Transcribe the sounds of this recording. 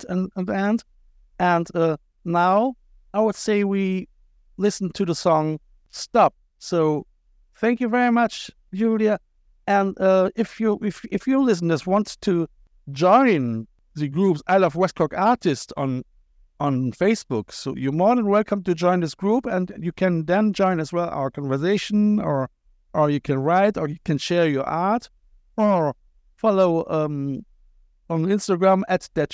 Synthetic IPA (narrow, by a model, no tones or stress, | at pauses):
tɨ̃nə̃nðiɛ̃nd | ɨ̃nʌ | naʊ | aɪwəd̥seɪwi | lɪsn̩tʰɨðəsɔ̃ŋ | stɑp̚ | soʊ | θæ̃ŋkjɨvɛɹimʌt͡ʃ | d͡ʒʉlˠiɨ | ɨ̃nʌɪfjɨɪfɪfjɨlɪs̬n̩ɨswɑ̃ntstʰɨ | d͡ʒɔ̃ɪ̃n | ðɨɡɹupsaɪlʌvwɛskʰɔkaɹtɪstsn̩ | ə̃nfeɪsb̥ʊksoʊjɨmɔɹdə̃nwɛlˠkʰʌ̃mtɨd͡ʒɔ̃ɪ̃nðɪsɡ̥ɹupɨ̃njɨkʰɨ̃nðɨ̃nd͡ʒɔ̃ɪ̃nɨzwɛlˠa̰ʊə˞kʰɑ̃nvə˞seɪʃn̩ə˞ | ʔə˞jɨkʰɨ̃nɹaɪtə˞jɨkʰɨ̃nʃɛɹjə˞ʔaɹt | ə | fɑloʊʌm | ə̃nɪ̃nstəɡɹæ̃mætd̥ɛt